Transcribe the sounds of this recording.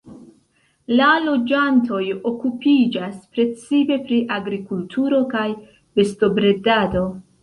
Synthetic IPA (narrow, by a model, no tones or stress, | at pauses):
lalo̞d͡ʒanto̞jo̞kupid͡ʒaspɾe̞t͡sipe̞pɾiʔaɡɾikultʰuɾo̞kaj | be̞sto̞bɾe̞dado̞